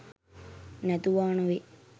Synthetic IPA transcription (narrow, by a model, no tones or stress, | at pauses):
nɛt̪uʋaːnoʋe